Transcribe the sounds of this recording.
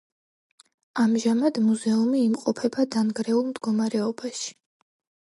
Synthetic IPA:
amʒamad̪muzɛumiːmqʼɔpʰɛbad̪anɡɾɛulˠmd̪ɡɔmaɾɛɔbaʃi̥

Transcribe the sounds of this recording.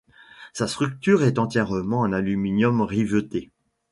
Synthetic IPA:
sast̪χyk̚t̪yːʁɛt̪ɑ̃t̪jɛʁəmɑ̃ɛ̃nalyminjɔmʁivət̪e

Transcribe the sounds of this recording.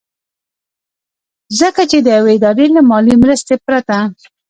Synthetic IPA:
zəkat͡ʃed̪əjaweɪd̪ɑɾelamɑlimɾəst̪epɾat̪a

